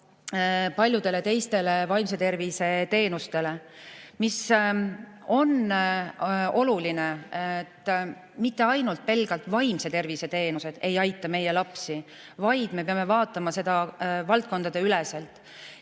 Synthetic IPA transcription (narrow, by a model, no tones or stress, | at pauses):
pɑlʲjud̪̥e̞le̞t̪e̞jst̪e̞levɑjms̬e̞t̪e̞rvise̞t̪e̞ːnust̪e̞le̞mis | o̞n | o̞lulinet̪ː | mit̪ːe̞ɑjnult̪̚pe̞lɡ̥ɑlt̪vɑjmse̞t̪e̞rvise̞t̪e̞ːnuse̞d̪̥e̞jɑjt̪ːˑɑme̞je̞lɑpsi | vɑjd̪̥me̞pe̞ɑme̞vɑːt̪ːˑɑmɑse̞d̪̥ɑvɑlt̪̚ko̞nd̪̥ɑd̪e̞ylese̞lt̪ːˑ